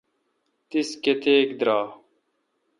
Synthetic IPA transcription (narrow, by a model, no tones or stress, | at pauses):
t̪isket̪eːkd̪ɾaː